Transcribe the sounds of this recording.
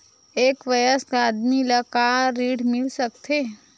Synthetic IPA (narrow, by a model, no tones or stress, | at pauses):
eːkʋɐjəsaːd̪miləkaɾiːɽmɪlsəkt̪ʰeː